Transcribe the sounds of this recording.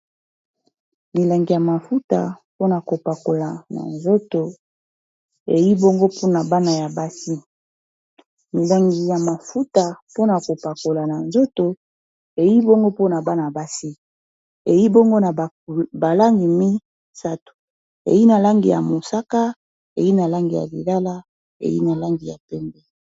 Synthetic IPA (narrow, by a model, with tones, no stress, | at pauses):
mi˨la˨ŋɡi˨ja˨ma˨fu˦ta˨po˦na˨ko˨pa˨ko˨la˨na̰˨nzo˦to˨ | e˨ji˦bo˦ŋɡo˦pʰo˦na˨ba˦na˨ja˨ba˦si˦ | mi˨la˨ŋɡi˨ja˨ma˨fu˦ta˨po˦na˨ko˨pa˨ko˨la˨na˨nzo˦to˨ | e˨ji˦bo˦ŋɡo˦po˦na˨ba˦na˨a˨ba˦si˦ | e˨ji˦bo˦ŋɡo˦na˨ | ba˨la˦ŋɡi˨mi˦ | sa˦tu̥˨ | ḛ˨ji˦na˨la˦ŋɡi˨ja̰˨mo˨sa˦ka˦ | e˨ji˦na˨la˦ŋɡi˨ja̰˨lḭ˨la˦la˦ | ḛ˨jḭ˦na˨la˦ŋɡi˨ja˨pɛ˦mbɛ˦